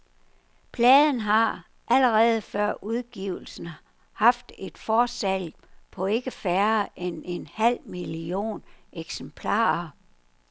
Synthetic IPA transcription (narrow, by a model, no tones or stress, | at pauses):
pʰlɛːðˠn̩ɦɑ̈ | ʔæləʁɛːð̞̩ˠəfɶɐ̰ʔuðˠɡ̥iʊ̰l̩sn̩ | hɑ̈fd̥e̝d̥fɒːsæl̰pʰɒ̽e̝ɡ̥əfæɐʔene̝nhæl̰milio̝̰ːneɡ̥sempʰlɑ̰̈ːɐ